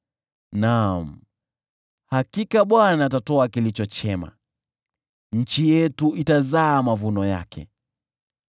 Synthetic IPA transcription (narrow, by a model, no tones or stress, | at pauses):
nam̩ | hakikaɓwanaːtatɔakilit͡ʃɔt͡ʃɛma̰ | ɲ̩t͡ʃijɛtuitazaːmavunɔja̰kʰɛ̰